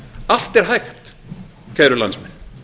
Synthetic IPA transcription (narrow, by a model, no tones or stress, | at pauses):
al̥t̪ɛɾ̥ɦajxt̪ | kʰɛjɾʏlansmɛn